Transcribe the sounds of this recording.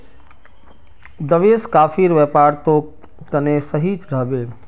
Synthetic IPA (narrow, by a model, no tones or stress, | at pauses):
d̪əʋeskaːpʰiɾʋɛpaːɾt̪o | kənesəɦit͡ʃɾəɦbeː